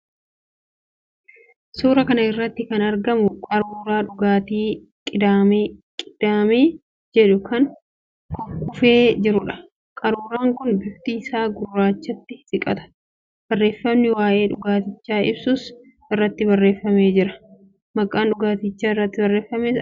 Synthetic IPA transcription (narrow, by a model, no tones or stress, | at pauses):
suːɾɐkɐnɐɪrːɐt̪ːɪkɐnɐɾɡɐmʊkʼɐɾuːɾaːᶑʊɡaːt̪iː | kʼɪd̪aːmeːkʼɪd̪̥aːmeː | d͡ʒɛᶑʊkɐŋ | kʰɔfkʊfe̞ːd͡ʒɪɾʊᶑɐ̥ | kʼɐɾuːɾaːŋkʊnbɪft̪iːsaːɡʊrːaːt͡ʃːɐt̪ːɪsɪkʼɐ̰t̪ɐ̥ | b̥ɐrːe̞ːfːɐmnɪwaːʔe̞ːᶑʊɡaːt̪ɪt͡ʃːaːɪ̰bsʊs | ɪrːɐt̪ːɪbɐrːe̞ːfːɐme̞ːd͡ʒɪɾɐ̥ | mɐkʼːaːnᶑʊɡaːt̪ɪt͡ʃːaːɪrːɐt̪ːɪbɐrːe̞ːfːɐmeːs